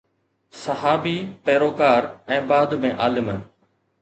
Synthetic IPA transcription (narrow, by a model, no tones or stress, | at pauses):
sɐɦaːbiːpɛːɾoːkaːɾɛ̃ːbaːd̪mẽʔaːlɪmənɪ